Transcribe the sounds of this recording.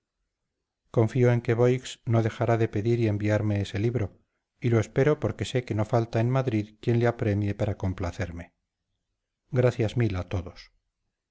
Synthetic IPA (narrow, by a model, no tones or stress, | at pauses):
ko̞ɱfioe̞ŋke̞βo̞jksno̞ðe̞xaɾaðe̞pe̞ðiɾie̞mbiaɾme̞ese̞liβɾo̞ | ilo̞e̞spe̞ɾo̞po̞ɾke̞se̞ke̞no̞falt̪aenmaðɾiðkje̞nleapɾe̞mje̞paɾako̞mplaθe̞ɾme̞ | ɡɾaθjazmilat̪o̞ðos